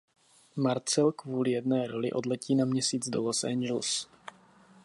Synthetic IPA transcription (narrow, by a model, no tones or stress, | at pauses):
maɾt͡sɛlkvuːlɪjɛdnɛːɾolɪ̰ʔo̞dlɛciːnamɲɛsiːd͡zdolosʔɛ̰ɲd͡ʒɛls